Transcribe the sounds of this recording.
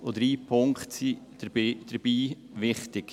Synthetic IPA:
od̥̪ɾiːpʰʊŋkχtsid̥d̥əɾb̥iː | ʋɪχtɪk

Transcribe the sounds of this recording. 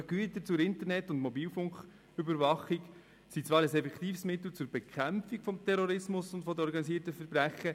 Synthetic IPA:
ɡ̥yətət͡sʊɾɪntəɾnɛtːʊntmɔbiːlfʊŋk | ʏbəɾvɑχik | sit͡sʋɑːɾəsɛfɛkt̪iːfsmɪt̪l̩t͡sʊɾbɛkʰχæmfikfɔmtʰɛɾɔɾɪsmʊsʊntfɔd̪əɔɾɡɑnisiːtəfəɾbɾæχə

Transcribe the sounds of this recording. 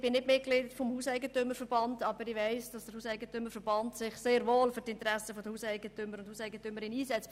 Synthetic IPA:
b̥ɪnɪtmɪtklitfɔmhuːsɛɪɡətʏmːəɾfəɾb̥ɑndɑbəɾɪʋɛɪsd̥ɑsd̥əɾhuːsæɪɡətʏmːəfəɾb̥ɑntsɪχseːɾvoːlfʏɾtɪntɾæsəfod̪əhuːsɛɪɡ̥ətʏmːəɾʊnd̥huːsɛɪɡətʏmːəɾɪniːsɛt͡st

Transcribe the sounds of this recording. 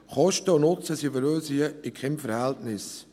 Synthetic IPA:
χɔʃtəʊnʊt͡səsifəɾøːsiəɪkχɛmfəɾhɛltnɪs

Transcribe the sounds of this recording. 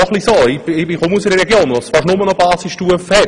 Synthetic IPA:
ɔχlisoːɪbɪbɪχʊmusɪɾəɾɛɡjoːnʋɔsfɑɾʃnʊmənɔbɑːsistuəfɛ

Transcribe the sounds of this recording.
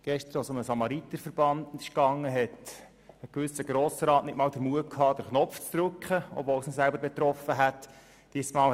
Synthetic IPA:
ɡ̥ɛʃtəɾasʊməsɑmɑɾit̪ːəfəɾb̥ɑndɪʃkɑŋːəɦɛt | əkʋʏsəɡ̥ɾoːsəɾɑːtnɪtmɑːldəɾmuəkʰhɑːd̥əɾχnɔft͡sd̥̪ɾʉkχəɔ̰bvoːlsnosælbəɾbɛt̪ɾɔfəɦæt | d̥iəsmɑːl

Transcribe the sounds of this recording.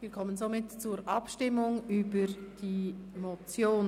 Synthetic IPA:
ʋiːɾkʰɔmənzomɪtt͡suɾʔɑpʃtɪmːʊŋybəɾd̥imot͡sjoːn

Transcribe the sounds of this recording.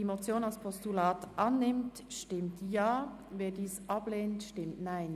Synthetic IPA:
imot͡sjoːnalspʰɔstulaːtʔanːɪmt | ʃtɪmtjaː | veːdiːsʔɑbleːntʃtɪmtnaɪn

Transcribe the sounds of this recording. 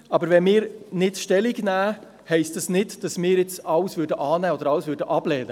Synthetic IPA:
ɑbəɾʋɛnmɪːɾnɪtʃtɛliɡnæː | hɛɪstəsnɪdd̥ɑsmɪːɾɪt͡sɑləsvʏɾdəʔɑːnæːod̪əɾɑləsvʏɾdəʔɑblɛːdə

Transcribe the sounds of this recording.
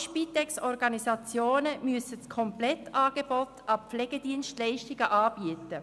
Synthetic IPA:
ʃpitɛksɔɾɡɑnisɑt͡sjoːnəmyəsəskʰɔmplɛtɑːɡ̥eb̥ɔtɑpflɛːɡ̥ediːənstlɛɪʃtɪɡəʔɑːb̥iətə

